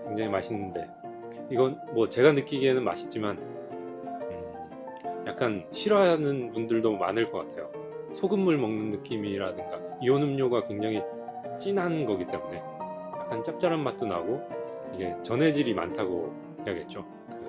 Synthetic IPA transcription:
kwe̞ŋd͡ʑaŋimaɕʰinːɯnde̞ | iɡʌnmwʌt͡ɕe̞ɡanɯk͈iɡe̞nɯnma̰ɕʰi̥t͡ɕ͈iman | ɯ | ja̰k̚k͈anɕʰiɾwʌaanɯnpundɯɭdoma̰nɯɭk͈ʌk͈atʰe̞jo | sʰoɡɯmːuɭmʌŋnɯnːɯk͈imiɾadɯŋɡaionɯmɲoɡakwe̞ŋd͡ʑaŋi | t͡ɕ͈inanɡʌɡit͈e̞mune̞ | jak͈ant͡ɕ͈ap̚t͡ɕ͈aɾammat̚t͈ona̰ɡo | iɡe̞t͡ɕʌne̞d͡ʑiɾima̰ntʰaɡo̰ | hjaɡe̞t̚t͡ɕ͈o | kɯ

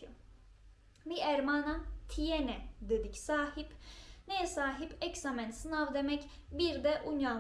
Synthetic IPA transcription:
miæɾmaːnat̪ʰijenɛd̪ed̪icsaːhipnejɛsaːɦipʰɛcsamɛnsɨnavd̪emɛc | biɾd̪ɛʔuɲja

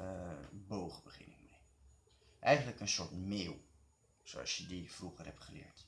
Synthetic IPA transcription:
boːɣəbəχɪ̰nɪ̰k̚mɛ | ʔɛjɣəndləkənsoɹtmɪːwˠ | so̰ɔ̰sjədifruːɣərhɛpχəlɪ̰əkt

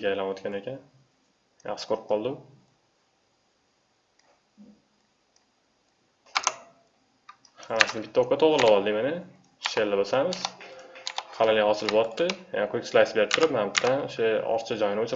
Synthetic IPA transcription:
ɡʲajlanwot̪kʲane̞kʲʰan | ja̰χʃɪ̥kʰoɾɪp̚qʰɒlˠd̪ɪm | hamasɪnɪbɪt̪ːaokːɑt̪ʰoʁɾɪlːawɒlˠd̪ɪmanɪ | ʃelːabosamɪz̥ | qʰɑlalɡʲahɒsɪlbɒt̪ʰːɪja̰aqʰokʲslajsbe̞ɾɪp̚t̪ʰʊɾɪpmabt̪ʰːanoʃaɒ̰ɾt͡ʃʰad͡ʒɒjɪnɪot͡ʃʰɪ

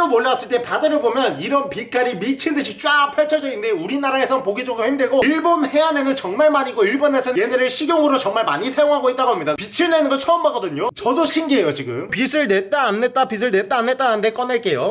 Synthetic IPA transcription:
ɾomoʎːawas͈ɯɭt͈e̞padɯɾɯɭbomjʌniɾʌnpik͈aɾimit͡ɕʰindɯɕʰit͡ɕ͈wapʰaɭt͡ɕʰʌd͡ʑʌɡinde̞uɾinaɾae̞sʰʌnpoɡid͡ʑʌɡɯɾohʰimdɯɭɡoiɭbonhe̞ane̞nɯnt͡ɕʌŋmaɭmaɲiɡoiɭbone̞sʰʌnɯje̞neɾeɭɕʰiɡjoŋɯɾot͡ɕʌŋmaɭma̰ɲisʰajoŋɦaɡoit̚t͈aɡoɦamɲidapit͡ɕʰiɭne̞nɯɡʌt͡ɕʰʌːmbaɡ͈ʌdɯɲot͡ɕʌdoɕʰinɡie̞jot͡ɕiɡɯ̰mpisʰɯɭne̞t̚t͈aːnːe̞tt͈apis̬ʰɯɭne̞t͈aːnːe̞t̚t͈aɯnde̞k͈ʌneɭk͈e̞jo

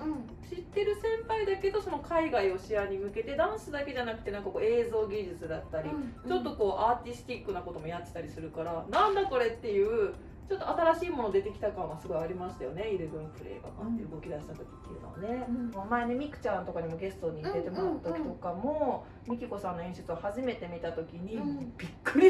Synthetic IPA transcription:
ɯ̟̃ | ɕit̪ːe̞ɾɯ̟sẽ̞mpaid̪ake̞d̪o̞so̞no̞kʰaiɡaio̞ɕiaɲ̟imɯ̟ke̞t̪e̞d̪ãɰ̃sɨd̪ake̞ʑanakɯ̟t̪e̞nãŋkako̞ːe̞ːzo̞ːɡʲiʑit͡sɨd̪at̪ːaɾʲit͡ɕo̞t̪ːo̞ko̞ːʔaːt̪ʲisɨ̥t̪ʲikːɯ̟nako̞t̪o̞mo̞jat̪ːe̥t̪aɾʲisɨɾɯ̟kaɾanãnd̪ako̞ɾe̞t̪ːe̞jɯ̟ː | t͡ɕo̞t̪ːoat̪aɾaɕiːmo̞no̞d̪e̞t̪e̞kʲi̥t̪akãɰ̃βasɨɡo̞aɾʲimaɕi̥t̪ajo̞̰ne̞iɾɯɡɯ̟̃nĩpɨɾḛːɡa̰ka̰t̪ːeɯ̟ɡo̞kʲid̪aɕi̥t̪at̪o̞kʲi̥t̪ːejɯ̟noβa̰ne̞mmaene̞mʲikɯ̟̥t͡ɕãnt̪o̞kaɲ̟imo̞ɡe̞sɨ̥t̪o̞ɲ̟id̪e̞t̪e̞mo̞ɾaɯt̪okʲi̥t̪o̞kamo̞ | mʲikʲiko̞sãnːo̞ĩɕɨ̥t͡sɨβahaʑime̞t̪e̞mʲit̪at̪o̞kʲiɲ̟ib̥ʲikːɯɾʲi

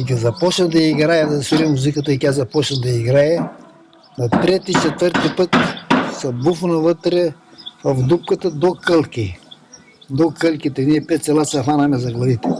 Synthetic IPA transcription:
iɡʲɐzɐpɔt͡ʃnɐmd̪ɐiɡɾajɐd̪ɐsiɾimːuzikət̪ɐikʲazɐpɔt͡ʃnɐmd̪ɐiɡɾajɐ | nɐt̪ɾɛt̪it͡ʃɛt̪vəɾt̪ipət̪sɐbufnɐvət̪ɾɛ | vɐfd̪up̚kət̪əd̪okəlˠki | d̪okəlˠkit̪ɛniɛpɛt̪t̪sɛlˠat̪sɐfanɐmɛzɐɡlˠɐvit̪ɛ

